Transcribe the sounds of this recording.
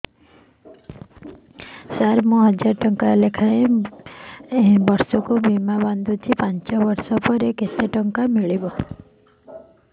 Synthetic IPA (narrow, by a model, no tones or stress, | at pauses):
saɾmũɦɔd͡ʒaʈɔŋkalekʰae | bɔɾsɔkubimaband̪ut̪ʰipant͡ʃɔbɔɾsɔpɔɾekeseʈɔŋkamiɭibɔ